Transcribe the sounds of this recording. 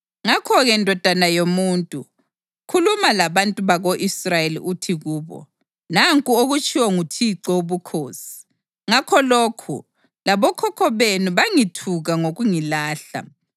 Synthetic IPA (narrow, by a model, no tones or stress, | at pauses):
ŋakʰɔɣɛndʱɔd̥ʱanajomuntʼu | kʰulumalaβantʼuβaɣoʔisrajelḭʔutʰiɣuːβɔ̰ | naŋkʼuoɣut͡ʃʼiwɔŋutʰiǀɔuβukʰoːsi̥ | ŋakʰɔloːkʰṵ | laβɔkʰɔkʰɔβenuβaŋitʰuɣaŋoɣuŋilaːɬa̰